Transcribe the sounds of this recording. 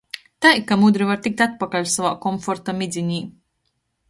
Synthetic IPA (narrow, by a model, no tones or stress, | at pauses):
t̪ajkamud̪ɾivaɾt̪ik̚t̪at̪̚pakalʲsavaːkɔmfoɾt̪amʲid̪zʲinʲiː